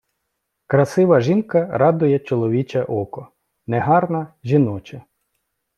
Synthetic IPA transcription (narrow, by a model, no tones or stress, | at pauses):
kɾɐsɪʋɐʒinkɐɾɑd̪ʊjɛt͡ʃɔlˠɔʋʲit͡ʃɛʔɔkɔ | nɛɦɑrnɐʒʲinɔt͡ʃɐ